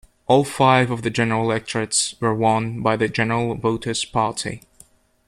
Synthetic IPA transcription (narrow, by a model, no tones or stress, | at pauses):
ʔɔlˠfaɪvʌvðɨd͡ʒɛnə˞llˠɛk̚t͡ʃɹɨtswə˞wʌ̃nbaɪðɨd͡ʒɛnə˞l̩ˠvoʊɾɨspʰɑɹtʰḭ